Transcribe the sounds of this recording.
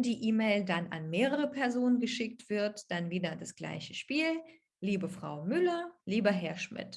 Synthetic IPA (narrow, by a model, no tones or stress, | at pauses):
ndiːʔiːmeɪldana̰nmeːʁ̞əʁ̞əpʰɛɐzoːnənɡəʃɪk̚tv̥ɪɐtd̥anviːdɐdasɡ̥la̰ɪçəʃpiːl | liːbəfʁ̥a̰ʊmʏlɐliːbɐɦɛɐʃmɪ̰t